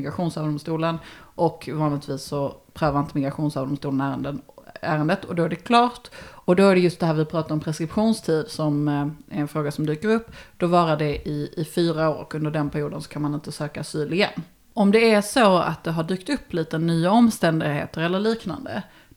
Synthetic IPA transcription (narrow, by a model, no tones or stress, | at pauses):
ɡɾaɧuːnsɑːvd̪ɔmst̪uːlənʔɔkʰvɑːnlɪt̪viːsːɔpʰɾøːvəɾɪnt̪əmɪɡɾaɧuːnsɑːvd̪ɔmst̪uːlənæːɾə̰nd̪ənæːɾənd̪ət̪ɔd̪ɔæɖɛkʰlɑːʈ̪ɔd̪ɔæɖɛjɵst̪d̪ɛɦæːɾvɪpʰɾɑːt̪aɾɔmpʰɾɛskɾɪpɧuːnst̪ʰiːd̪sɔmæɾɛnfɾoːɡasɔmd̪yːkəɾɵpːd̪̥ɔvɑːɾaɖɛʔɪɪfyːɾaoːɾɔ̰kːɵnd̪əɖɛnpʰæɾɪjuːd̪ənsɔ̥kʰanmanɪnt̪əsøːkasyːlɪɛ̰n | ɔmd̪ɛæʂoa̰t̪̚d̪ɛɦaɖyːkt̪ɵpːliːt̪ənyːaɔmst̪ɛnd̪ɪɡhḛːt̪əɾɛlːəɭiːkna̰nd̪ə̰